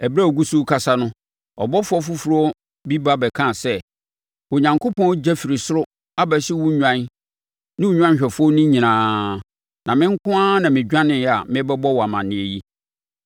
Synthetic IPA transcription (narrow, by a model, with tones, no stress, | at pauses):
ɛ˨bɾa˦˨ɔ˨ɡu˦su˦kʰa˨sa˦nʊ̃˦ | ɔ̰˨bɔ˦fʊ˦ɔ˦fu˦fu˨ɾʊ˦ɔ˦ | bi˦ba˦bɛ˨kʰã˦˨sɛ˦ | o˨ɲã˨ŋkʰo˦pʰɔ̃˦wd͡ʑɛ˦fi˨ɾi˨sʊ˦ɾʊ˦ | a˦bɛ˨sɪ˦wu˦ɲᶣã˦n | nɪ̃˦wu˨˦ɲᶣ˦ã˦ɕᶣɛ˨fɔ˦nɪ̃˦ɲĩ˨nãː˨˦ | nã˨mɪ̃˦ŋ̩˦kʰʊ̃˦ã˦nã˨mɪ̃˨d͡ʑᶣã˦nɪ̃˨jɛ˨a̰˨mɪ̃˦bɛ˦bɔ˦wɔ˨a˨mã˨nːɪ̃˨e˨ji˦